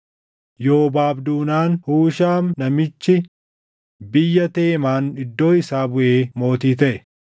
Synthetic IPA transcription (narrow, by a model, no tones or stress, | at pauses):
jo̞ːbaːbd̪uːnaːnhuːʃaːmnɐmɪt͡ʃːɪ | bɪjːɐt̪e̞ːmaːnɪd̪ːo̞ːɪsaːbʊʔeːmo̞ːt̪iːt̪ɐʔɛ